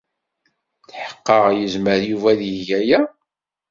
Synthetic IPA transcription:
θħə̥qːəʁjəzməɾjuvæðjəʝæjæ

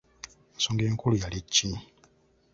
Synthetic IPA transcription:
nsoːŋɡeːŋkulujalicːi

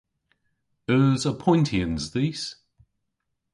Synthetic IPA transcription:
ɜːzəpʰɔ̃ɪ̃ntʰiə̃nzðiːˑs

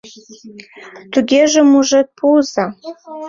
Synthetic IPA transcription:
t̪uɡʲeʒĕmuʒet̪̚pʰuzɑ

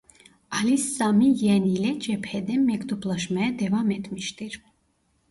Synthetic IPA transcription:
alisːamijɛnilɛt͡ʃɛpʰɛd̪ɛmːɛkd̪uplɔʃmɛɛd̪ɛvamɛt̪ʰmiʃt̪ʼiɾ

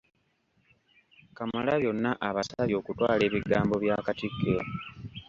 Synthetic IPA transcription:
kamalaβjo̞nːaʔaβasaβjo̞ːkutwaːle̞ːβiɡaːmbo̞βjaːkatikːe

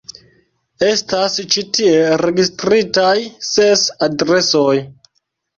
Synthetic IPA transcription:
e̞stast͡ʃitie̞ɾe̞ɡistɾitajsesadɾe̞soj

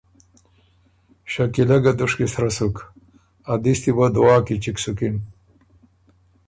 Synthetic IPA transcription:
ɕɐkilɐɡɐd̪uʂkisɾɐsuk | ɐd̪ist̪ibɐd̪uaːkit͡ɕiksukin

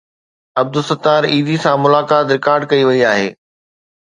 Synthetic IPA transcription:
ɐb̚d̪ʊsɐt̪ːaːɾiːd̪isãmʊlaːkaːt̪ɾɪkaːɾɖ̚kɐiʋɐiaːɦḛː

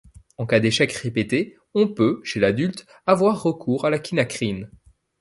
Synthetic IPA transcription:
ɑ̃kad̪eʃɛkʁepet̪e | ɔ̃pøʃelad̪ylt̪ | avwaʁːəkʰuːʁalakʲʰinakχin

